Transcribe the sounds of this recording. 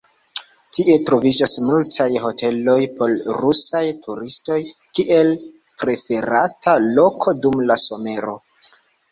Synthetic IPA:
tiʔe̞tɾo̞vid͡ʒasmultʰajho̞tʰe̞lo̞jpo̞lɾusajtʰuɾisto̞jkiʔe̞l | pɾe̞fe̞ɾatʰalo̞kʰo̞dumlaso̞me̞ɾo̞

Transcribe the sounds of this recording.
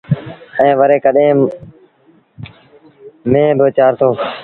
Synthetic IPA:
ɛ̃ːʋəɾeːkəɗẽː | mẽːbəːt͡ʃaːɾt̪ʰoː

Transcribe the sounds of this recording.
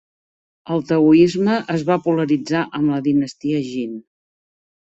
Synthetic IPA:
əlˠt̪əuizməʔəzβapuləɾid͡zaʔəmləðinəst̪iəʒin

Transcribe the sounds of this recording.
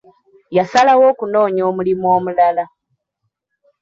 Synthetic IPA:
jasalawo̞ːkuno̞ːɲoːmulimwoːmulala

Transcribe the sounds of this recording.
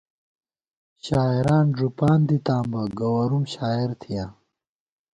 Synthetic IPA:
ɕaːiɾaːnʐupaːnd̪it̪aːmbɐɡɐwɐɾumɕaːiɾt̪ʰijaː

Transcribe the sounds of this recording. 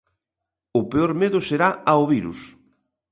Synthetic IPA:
ʊpeoɾmeðʊseɾaaoβiɾṵs

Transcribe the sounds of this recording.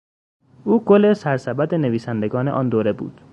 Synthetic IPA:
ʔuːɡolesæɾsæbæd̪eneviːsænd̪e̞ɡɒːneʔɒːnd̪oːɾe̞bṵːd̪̥

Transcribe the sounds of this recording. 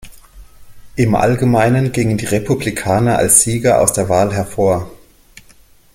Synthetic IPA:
ʔɪmʔa̰lɡəmaɪnənɡɪŋəndiːʁepʰublikʰaːnɐʔa̰lsz̥iːɡɐʔa̰ʊsd̥eːɐvaːlɦɛɐfoːɐ

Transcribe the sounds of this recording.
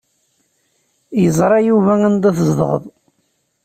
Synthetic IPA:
jəzˤɾˤɑjuvæænd̪æθəzd̪ʁə̰ðˤ

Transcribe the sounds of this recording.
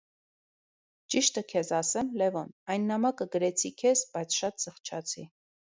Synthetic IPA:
t͡ʃiʃt̪əkʰɛzɑsɛmlɛvɔnɑjnːɑmɑkəɡəɾɛt͡sʰikʰɛzbɑjt͡sʰʃɑt̪zəχt͡ʃʰɑt͡sʰi

